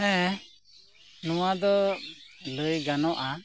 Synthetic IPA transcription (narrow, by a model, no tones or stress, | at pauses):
ɛ̃ | nɔwad̪ɔ | ləjɡanɔʔa